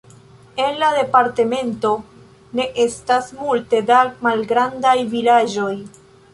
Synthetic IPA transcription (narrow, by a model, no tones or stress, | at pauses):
e̞nlade̞paɾte̞me̞nto̞ | ne̞ʔe̞stasmulte̞damalɡɾandajvilad͡ʒo̞j